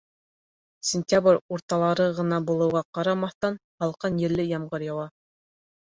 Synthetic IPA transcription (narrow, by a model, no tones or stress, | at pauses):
sʲɪnʲtʲabrʲuɾt̪ɑlˠɑɾɤʁɤ̆nɑbulˠɤ̆wʁɑqɑɾɑmɑθt̪ɑnhɑlˠqɑnjɘ̆ɾlɘjɑmʁɤɾjɑwɑ